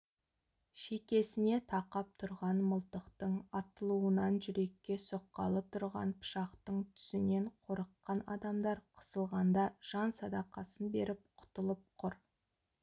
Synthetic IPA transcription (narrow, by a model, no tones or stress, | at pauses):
ʃe̞kʲe̞sɪne̞t̪ʰɑqɑp̚t̪ʰʊɾʁɑnməlˠt̪əqt̪əɴɑt̪əlˠuənɑnʒʏɾe̞kʲːe̞soqːɑ̰lˠət̪ʰʊɾʁɑ̰npʰʊ̥ʃɑqt̪əɴt̪ʰʏ̥sɪne̞ɴqʰo̞ɾəqːɑnɑ̰d̪ɑmd̪ɑɾqʰə̥səlˠʁɑnd̪ɑʒ̥ɑnsɑd̪ɑqɑsənbe̞ɾʔɪp̚qʰʊ̥t̪əlˠəp̚qʰʊɾ